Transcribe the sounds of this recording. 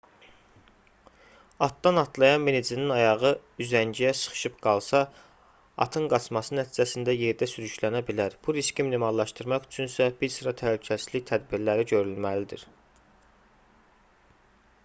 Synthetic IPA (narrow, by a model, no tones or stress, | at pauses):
ɑt̪̚d̪ɑnɑt̪ʰlˠɑjɑnminid͡ʒininɑjɑʁɯyzænd͡ʒijæsɯ̥χɯ̥ʃɯpɡ̥ɑlˠsɑ | ɑ̰t̪ʰɯŋɡɑt͡ʃʰmɑsɯnæt̪ʰiːd͡ʒæsind̪æje̞ɾd̪æsyɾyʃlænæbilæɾb̥uɾiscimnimɑlˠːɑʃt̪ɯɾmɑχy̥t͡ʃʰynsæbiɾsɯɾɑt̪ʰælycʰæsizliçt̪ʰæd̪biɾlæɾiɟø̞ɾylmælid̪ḭɾ